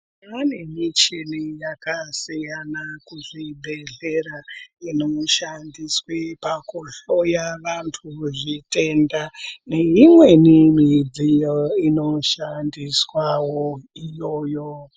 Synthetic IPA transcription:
anemit͡ʃinijakasijanakuʐibʱe̞ɮe̞ɾainoʃandiswipakuɬo̞jaʋantʰuʐite̞ndane̞imwe̞nimid͡zijoino̞ʃandiswawoijo̞ːjo

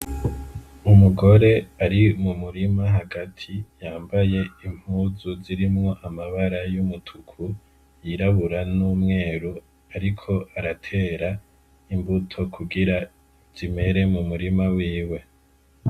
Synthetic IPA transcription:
umuɡo̞ɾe̞aɾimumuɾimaɦaɡatʰijaːmbaje̞im̥huːzuziɾimŋo̞ʔamaβaɾajumutʰukʰu | jiɾaβuɾanuːmŋe̞ːɾu | aɾikʰo̞ʔaɾatʰe̞ːɾa | imbutʰo̞kʰuɡiɾa | z̥ime̞ɾe̞mumuɾimawiːwe̞

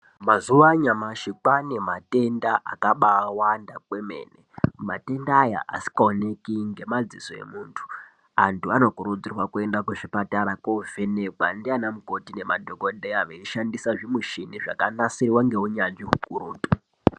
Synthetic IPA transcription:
mazuwaɲamaʃikwanemate̞ndaʔakaɓaːwandakwe̞me̞̰ːnemate̞ndaːja̰ʔa̰si̥kaone̞kiŋɡe̞mad͡zisoe̞̰muːntʰu̥ | antʰuano̞kuɾud͡zirwakue̞ndakuʐipataɾakove̞nekwandianamuko̞tine̞madʱo̞ko̞dʱeaʋeiʃandisaʐimuʃiniʐakanasirwaŋɡe̞ɦuɲand͡ʒiɦukuɾuːtu

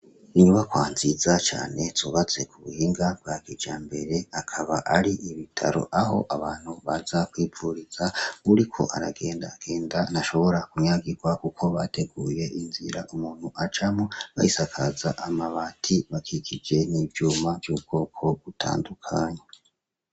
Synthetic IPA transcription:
iɲuβakwaːnzizat͡ʃa̰ːne̞z̥uːβazekʰuβṵhiːŋɡab̚ɡaːɡid͡ʒaːmbe̞ɾe̞akʰaβaʔaɾiʔiβitʰa̰ɾo̞̰ʔaɦo̞̰ʔaβaːn̥huβazakwiːvuɾiz̥auɾikʰo̞̰ʔaɾaɡe̞ːndaɡ̥e̞ːndanaʃo̞βo̞ɾakuɲaɡiɡwakukʰo̞βatʰe̞ɡuːje̞ʔinzḭɾa̰ʔumuːnhuʔad͡ʒamuβa̰isakʰazaʔamaβatʰiβakʰikʰid͡ʒe̞niːvjuːmavjuːb̚ɡ̥o̞ːkʰo̞βutʰa̰ːndukʰaːɲe

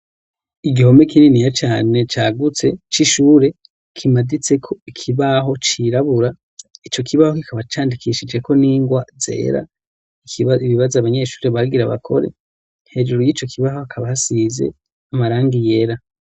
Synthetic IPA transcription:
iɡiho̞mekininijat͡ʃaːne̞t͡ʃaːɡut͡se̞t͡ʃiʃuːɾe̞ | kʰimadit͡se̞kʰo̞ikʰiβaɦo̞t͡ʃiɾaβuɾa | it͡ʃo̞kʰiβahokikʰaβat͡ʃaːndikʰiʃid͡ʒe̞ko̞niːŋɡwaze̞̰ːɾa̰ | iβiβazaβaɲe̞ːʃu̥ːɾeβaɡiɾaβa̰kʰo̞̰ɾe̞̰ | n̥he̞ːd͡ʒuɾujiːt͡ʃo̞kʰiβaho̞hakʰaβahasize̞̰ | amaɾaːŋɡije̞ɾa

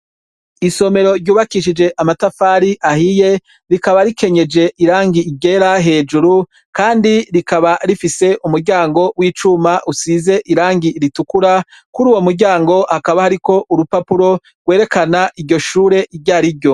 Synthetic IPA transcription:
iso̞me̞ɾo̞ɾɟuːβakiʃ̬id͡ʒe̞ʔamatafaːɾiʔahije̞ | ɾikaβaɾike̞ɲe̞d͡ʒe̞ʔiɾaːŋɡiːɟe̞ɾaɦe̞ːd͡ʒuɾu | kaːndiɾikaβaɾifise̞ʔumuɾɟaːŋɡo̞wiːt͡ʃumaʔusize̞ʔiɾaːŋɡiɾitukuɾa | kuɾuːwo̞muɾɟaːŋɡo̞hakaβahaɾiko̞ʔuɾupapuɾo̞ | ɡwe̞ːɾe̞kanaʔiɾɟo̞ʃuːɾe̞ʔiɾɟaɾiɾɟo̞

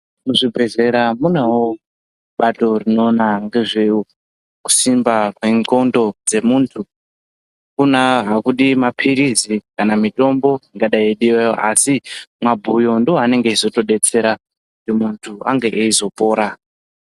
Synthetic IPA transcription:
muʐibʱe̞ze̞ɾamunewo | ɓato̞rino̞ːnaŋɡe̞ʐe | ku̥simbakwe̞ŋko̞ndo̞d͡ze̞muːntʰu | kunaɦakuɗimapʰiɾizikanamito̞mbo̞iŋɡaɗaieɗiwajo̰ʔasimwabʱujo̞ndoane̞ŋɡe̞izo̞to̞ɗe̞t͡se̞ɾa | kutimuntʰua̰ŋɡe̞ʔːizo̞po̞ːɾa

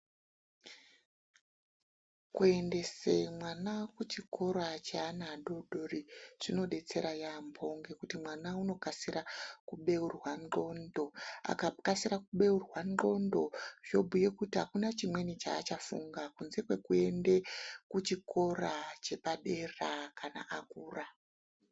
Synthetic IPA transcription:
kue̞nde̞se̞mwanakut͡ʃikʰo̞ɾat͡ʃeanaɗo̞ɗoriʐ̥ino̞ɗe̞t͡se̞ɾajambʰʱo̞ŋɡe̞kutimwanauno̞kasirakuɓe̞urwanŋ͡ǃo̞ndo̞a̰kakasiɾakuɓe̞urwano̞ndo̞ʐ̥jo̞bʱuje̞kutiɦakunat͡ʃimwe̞nit͡ʃaːt͡ʃafṵŋɡakunze̞kwe̞kue̞nde̞kut͡ʃikʰo̞rat͡ʃe̞paɗe̞rakana̰ʔakuːra

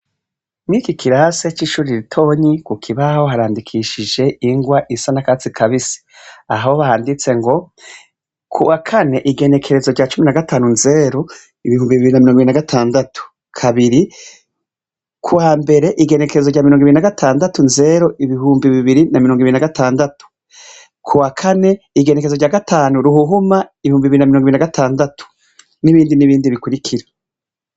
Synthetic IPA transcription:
niːkikʰiɾase̞t͡ʃiʃuːɾiɾiɾitʰo̞ːɲikukʰiβaho̞ɦaɾaːndikʰiʃid͡ʒe̞ʔiŋɡwaʔisanakaːt͡sikʰaβisi̥ | a̰ɦaβoβahaːndit͡se̞ŋɡo̞ | kʰuwakʰane̞ʔiɡe̞ne̞kʰe̞ɾe̞zo̞ɟaːt͡ʃuminaɡataːnunze̞ːɾo | iβihuːmbiβiβiɾinamiɾoŋɡiɾinaɡatʰaːndatʰu̥ | kʰaβiɾi | kʰuwaːmbe̞ɾe̞ʔiɡe̞ne̞keɾezo̞ɟaːmiɾoŋɡiβiɾinaɡatʰaːndatunze̞ːɾo̞iβiɦuːmbiβiβiɾinamiɾoŋɡiβiɾinaɡatʰaːndatu̥ | kʰuwakʰane̞ | iɡe̞nekezoɟaːɡatʰaːnuɾuɦuɦumaiβihuːmbiɾinamiɾoŋɡiɾinaɡatʰaːndatʰu̥ | niβiːndiniβiːndiβikuɾikʰiɾe

